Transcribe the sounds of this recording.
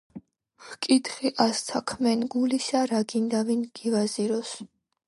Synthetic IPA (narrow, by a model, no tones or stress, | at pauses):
χkʼit̪χiʔast̪sʰakʰmɛnɡulisaɾaɡind̪avinɡ̥ivaziɾɔs